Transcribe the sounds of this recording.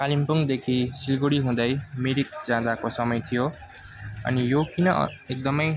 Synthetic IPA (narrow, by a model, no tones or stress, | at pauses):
kalimpuŋd̪ekʰisilɡoɽiɦũd̪ʌjmeɾik̚d͡zãd̪akosʌmʌjt̪ʰijo | ʌ̰nijokinʌ̰ek̚d̪ʌmʌj